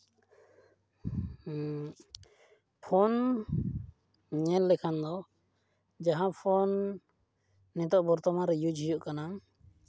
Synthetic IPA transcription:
pʰɔn | ɲɛllɛkʰand̪ɔ | d͡ʒaɦãpʰɔn | ɛt̪ɔʔbɔɾt̪ɔmaɾɛjud͡ʒɦijuʔkana

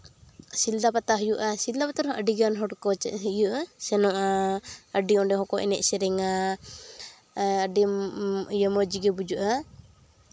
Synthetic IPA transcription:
sild̪apat̪aɦəjuʔasild̪apat̪aɾɔ̃ʔəɖiɡanɦɔɽkɔt͡ʃɛ̰ɦijuʔasɛnɔʔaəɖiɔ̃ɖɛɦɔkɔʔɛ̰nɛʔsɛɾɛŋa | əɖiijəmɔd͡ʒiɡɛbud͡ʒuʔa

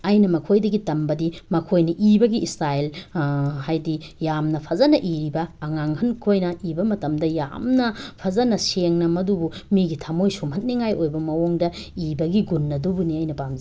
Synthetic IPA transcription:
ɐjnɐmɐkʰojdɐɡitɐmbɐdimɐkʰojnɐʔibɐɡiʔisɾael | hajdijamnɐpʰɐzɐnɐʔiɾibɐːŋaŋhɐnkʰojnɐibɐmɐtɐmdɐja̰mnɐpʰɐzɐnɐseŋnɐmɐdubumiɡitʰɐmojsumhɐt̚niŋajojbɐmɐwoŋdɐ | ibɐɡiɡunːɐdubuniɐjnɐpamz

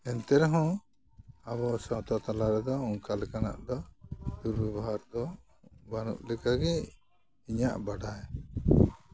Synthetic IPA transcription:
ɛnt̪ɛɾɛɦɔ̃ | aβɔsɔt̪ɔt̪alaɾɛd̪ɔɔŋkalɛkana̰ʔd̪ɔd̪uɾbɛbɔɦaɾd̪ɔ | banṵʔlɛkaɡɛ | iɲaʔbaɽaj

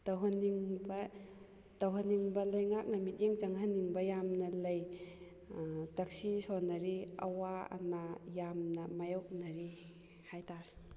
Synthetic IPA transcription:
tawɦaniŋbɐ | tawɦaniŋbɐlajŋak̚nɐmit̚iŋzaŋhaniŋbɐjamnɐlɐj | tɐk̚sisɔnɐɾiɐ̰waɐ̰najamnɐmajɔk̚naɾi | hajtaɾ

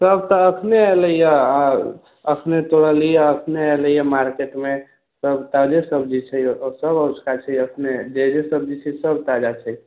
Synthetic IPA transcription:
səbt̪əːkʰneeləjə | əkʰnet̪oɽəlijəəkʰneeləjəmaɾkeʈme | səbt̪ad͡ʒesəbd͡ʒit͡ʃʰɛjosəbət͡ʃkat͡ʃʰɛjəkʰned͡ʒed͡ʒesəb̚d͡ʒit͡ʃʰɛsəbt̪ad͡ʒat͡ʃʰɛj

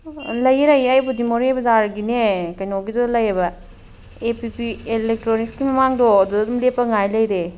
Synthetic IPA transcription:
lɐjɾɐjajbudimoɾejbɐzaɾɡinekɐjnoɡidɔlɐjebɐ | epipielek̚tɾonikskimɐmaŋdɔːdudɐdumlepːɐŋajlɐjɾe

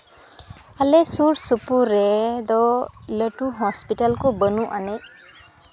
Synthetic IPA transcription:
alesuɾsupuɾɛd̪ɔləʈuɦɔspiʈalkobənuʔanej

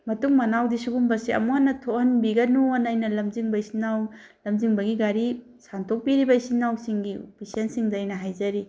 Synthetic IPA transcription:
mɐtuŋmɐnawdisuɡumbɐsiɐ̰muhanːɐtʰohɐnbiɡɐnuonajnɐlɐmziŋbɐisinːaw | lɐmziŋbɐɡiɡaɾi | santʰok̚piɾibɐisinːawsiŋɡiopisiɐnsiŋdɐjnɐɦajzɐɾi

